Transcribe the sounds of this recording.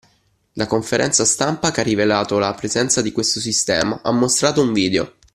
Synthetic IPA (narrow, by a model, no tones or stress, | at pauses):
lakoɱfeɾʔɛ̰nt̪sast̪ampakearːivelaːt̪olapɾezɛnt̪sad̪ikwest̪os̬ist̪ɛ̰ːma̰ʔa̰mːost̪ɾaːt̪ouɱviːd̪eo̰